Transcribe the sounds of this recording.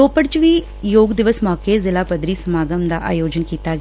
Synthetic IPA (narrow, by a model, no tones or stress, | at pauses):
oːpəɽt͡ʃʋiː | joːɡd̪ɪʋəsmɔːkezɪlaːpɐd̪ɾisɐmaːɡəmd̪aʔa̰ːjoːd͡ʒənkiːt̪aɡ